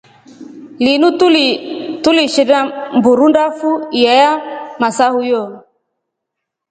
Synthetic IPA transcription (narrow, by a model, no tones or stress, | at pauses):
linutulituliʃiɾambuɾundafujɛjamasahujɔ